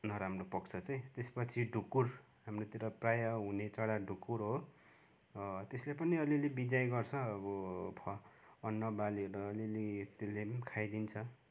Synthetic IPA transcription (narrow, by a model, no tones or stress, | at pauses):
nʌɾamropʌkt͡sʰʌt͡sʌj̃t̪espʌt͡sʰiɖʱukur | ɦamrot̪iɾʌprajʌɦunet͡saɽaɖʱukːuɾɦo | t̪eslepʌniʌlilebid͡zajɡʌrt͡sʰʌːbʌpʰʌːnːʌbaliɾʌːlilit̪elekʰajd̪int͡sʰʌ